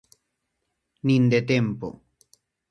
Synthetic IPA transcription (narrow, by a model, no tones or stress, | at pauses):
nind̪et̪empo̰